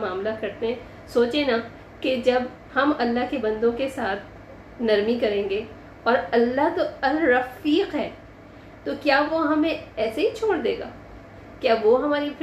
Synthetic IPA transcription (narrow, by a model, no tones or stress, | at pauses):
maːmlakɐɾt̪eɦɛ̃ | soːt͡ʃẽna | ked͡ʒɐb | hɐmɐlːaɦkebɐ̃nd̪õkesaːt̪̚ʰ | nɐɾmikɐɾẽːŋɡe | ɔːɾɐlːaɦt̪oɐlɾɐfiːqɦɛː | t̪okjaːʋoɦɐmẽɛːseɦit͡ʃʰoːɽd̪eːɡa̰ː | kjaːʋoɦɐmaːɾif